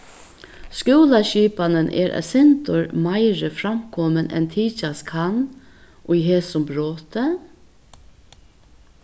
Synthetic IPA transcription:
skuːlaʃiːpanənʔɛ̰ːɾʔsɛnt̪ʊɹmaɪɾəfɾamkʰɔmənʔɛ̰nt̪ʰiːt͡ʃaskʰan | ʔʊɦeːsʊmbɾoːt̪ə

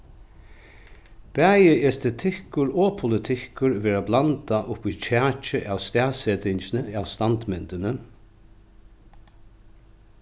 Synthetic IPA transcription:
b̥æːjɪʔɛst̪ɛt̪ʰɪhkʊɹɔːpʰʊlɪt̪ʰɪhkʊɹʋɛːɹablant̪aʔʊpit͡ʃʰæːt͡ʃɪʔawst̪æːsɛt̪ɪɲt͡ʃɪnəawst̪ant̪mɪnt̪ɪnə

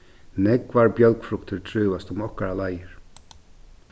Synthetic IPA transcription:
nɛkvaɹbjœlkfɾʊkt̪ɪɹt̪ʰɾʏːvast̪ʊmɔhkaɾalajɪɹ̥

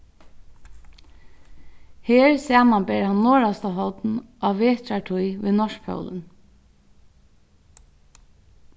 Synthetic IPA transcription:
heːɹsæːmanbɛːɹhanːɔːɹast̪aɦɔwt̪nʔaʋeːt̪ɾaʈʰujʋɪnɔʂ̚pʰœ̰wlə̰n

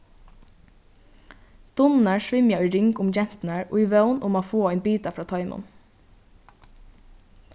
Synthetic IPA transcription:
d̪̥ʊnn̩æɹʃʋɪmjɑiːɾʏŋkʊmd͡ʒɛn̥t̪næɹo̰ːiːʋœʊnʔʊmoːfoːɛɪnbyːt̪ɑfɾɑːt̪ʰɑʏmʊ̰n

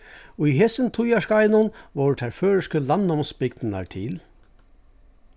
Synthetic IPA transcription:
ɔiɦɛːsənt̪ʰʊjaʂkajnʊnʋoːt̪ʰæɹføːɹəʂkəlɑnɔmsbɪɡd̪əna̰ɹt̪ʰɪl

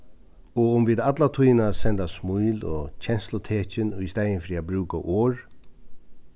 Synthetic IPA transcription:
ɔʊmviːd̪at̪lat̪ʰujnasɛnt̪asmujlɔt͡ɕʰɛnslʊt̪ʰeːt͡ɕɪnʊjst̪aːjɪnfɾiːabɾuːka̰ʔɔːɹ

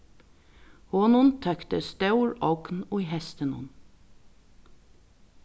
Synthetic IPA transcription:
hoːnʊnt̪ʰœkt̪əst̪œʉɹɔwkn̩ʊihɛst̪ənʊ̰n

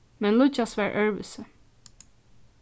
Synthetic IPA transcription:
mɛnlʊt͡ʃɑsʋæɹʔœɹʋə̰sə

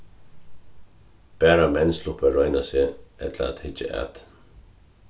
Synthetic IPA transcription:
b̥ɛːɾamɛnslʊhpəɹɔʏnasɪɛt̪la̰a̰t̪hɪt͡ʃːɪ̰ʔa̰t̪

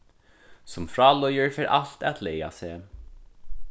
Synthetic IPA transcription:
sʊmfɹɑːlɔjəɹfeːɹʔaɬt̪æt̪lɛja̰seː

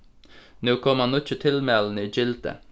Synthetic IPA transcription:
nʉːkʰɔmhɑnɔc͡çət̪ʰɪlmɛln̩iːd͡ʒɪlt̪ə̰

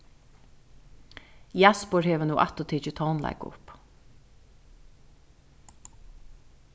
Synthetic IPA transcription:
jæspɔɹheːʋənuːʔɑt̪ɔt̪ʰiːt͡ʃət̪ʰɑːnlæ̰ɪɡʊ̰p

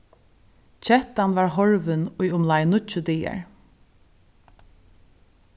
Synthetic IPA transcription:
t͡ʃʰɛht̪anvaɹɦɔɹvɪnʊjʊmlajnʊt͡ʃʊd̪iːa̰ɹ

